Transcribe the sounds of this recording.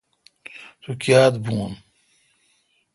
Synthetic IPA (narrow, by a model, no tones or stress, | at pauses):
sukjaːd̪buːn